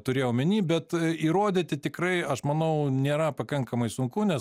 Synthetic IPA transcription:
t̪ʊɾʲeːjoːmʲɪnʲiːbʲɛt̪iɾoːd̪ʲeːt̪ʲɪt̪ʲɪkɾɐɪɐʃmɐnɐʊnʲeːɾɐpɐkɐŋkɐmɐɪsʊŋkʊnʲɛs

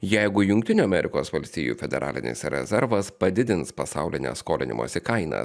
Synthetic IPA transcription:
jɛɪɡʊjʊŋkt̪ʲɪnʲuːɐmʲɛɾʲɪkoːsʋɐlʲsʲt̪ʲiːjṵːfʲɛd̪ʲɛɾʔɑ̰ːlʲɪ̰nʲɪ̰sɾʲɛ̰zʲɛɾʋɐspɐd̪ʲɪd̪ʲɪnspɐsɑʊlʲɪnʲḛskoːlʲɪnʲɪ̰mʔo̰ːsʲɪkɐɪnɐ̰

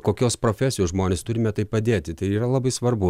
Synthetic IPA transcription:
koːkʲoːspɾoːfʲæsʲɪjoːsʒmoːnʲeːst̪ʊɾʲɪmʲɛt̪ɐɪppɐd̪ʲeːt̪ʲɪt̪ɐɪiːɾɐlˠɐbɐɪsʋɐrbʊ

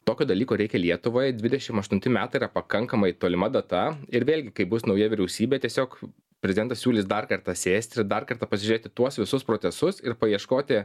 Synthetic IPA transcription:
t̪oːkʲoːd̪ɐlʲiːkoːɾʲɛɪkʲɛlʲiɛt̪ʊʋoːjd̪ʲʋʲɪd̪ʲɛʃʲɪmɐʃt̪ʊnʲt̪ʲɪmʲæːt̪ɐɪiɾɐpɐkɐŋkɐmɐɪt̪oːlʲɪmɐd̪ɐt̪ɐɪɾʋʲeːlʲɡʲɪkɐɪbʊsnɐʊjɛʋʲɪɾʲɛʊsʲiːbʲeːt̪ʲiɛsʲoːk | pʲɾʲɛzʲd̪ʲɛnt̪ɐssʲuːlʲɪsd̪ɐrkɐɾt̪ɐsʲeːsʲt̪ʲɪɾd̪ɐrkɐɾrt̪ɑpɐsʲɪʒʲʊɾeːt̪ʲɪt̪uɔsʋʲɪsʊspɾoːtsʲɛsʊsɪɾpɐjiɛʃkoːt̪ʲɪ

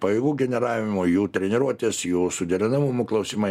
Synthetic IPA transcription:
pɐjɛɡuːɡʲɛnʲɛɾɑːʋʲɪmoːjuːt̪ʲɾʲɛnʲɛɾuɔt̪ʲeːsjuːsʊd̪ʲɛɾʲɪnɐmʊmʊːklˠɐʊsʲɪmɐ

